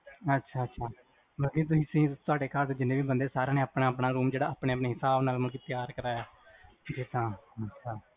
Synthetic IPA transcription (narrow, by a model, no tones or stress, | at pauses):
ətːʃʰaːətːʃʰaː | məlkiːt̪̬ʊĩːsĩːt̪ʊaːɖeːkaːɾt̪ːd͡ʒɪnːeːʋiːbənd̪eːsaːɾãːneːaːpɽaːpɽaːɾuːmd͡ʒeːɽaːaːpɳẽːəpneːɦɪsaːbnaːlməlɡiːt̪ɪjaːɾkəɾaːjaː | it̪ãːətːʃʰaː